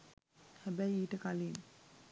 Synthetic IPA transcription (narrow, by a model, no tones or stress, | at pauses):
hæbæjiːʈəkalin